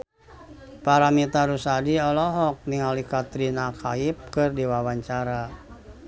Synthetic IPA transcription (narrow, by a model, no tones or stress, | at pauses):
paɾamit̪aɾusadiɔlɔɦɔk̚niŋalikat̪ɾinakaip̚kɨrdiwawaɲt͡ʃaɾa